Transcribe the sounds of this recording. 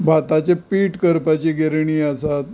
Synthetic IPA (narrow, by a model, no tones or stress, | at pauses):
bʱat̪at͡ɕepiʈkəɾpat͡ɕiɡʱeɾɳ̃iːasat̪̚